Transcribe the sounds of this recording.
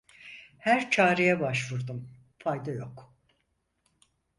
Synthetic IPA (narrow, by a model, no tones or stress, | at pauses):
hæɾt͡ʃʰaːɾejɛbaʃvuɾd̪um | fajd̪ajo̞k